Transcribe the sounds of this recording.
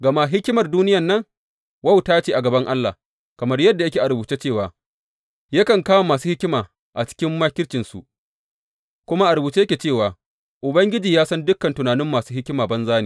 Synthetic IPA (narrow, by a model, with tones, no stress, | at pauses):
ɡɐ˨ma˦ɦɪ˦kʲɪ˦mɐ˨rduː˦nɪ˦jɐ˨nːɐ˦ŋ | wɐ˦˨wtaː˦t͡ʃeː˨ʔa˨ɡɐ˨bɐ˦ŋʔa˦lːa̰˨ | kɐ˨mɐ˦rjɐ˦dːa˨jɐ˦kʲeː˨ʔa˨ɾbuː˨t͡ʃe˦t͡ʃeː˦˨waː˨ | jɐ˦kɐ˨ŋkaː˦ma˨maː˨s̬uː˦hɪ˦kʲɪ˦maː˨ | ʔa˨t͡ʃɪ̥˦kʲɪ˦mːaː˦kʲɪ˦t͡ʃɪ˨nsṵ˨ʔ | kʷʊ˦ma˦ʔa˨ɾbuː˨t͡ʃe˦jɐ˦kʲeː˨t͡ʃeː˦˨waː˨ | ʔʊ˨bɐ˦ŋɡʲɪ˦d͡ʒiː˨jaː˦sɐ˦ndʊ˦kːɐ˨ntʊ˨naː˨nɪ˦mːaː˨suː˦hɪ˦kʲɪ˦maː˨bɐ˦nzaː˦nḛː˨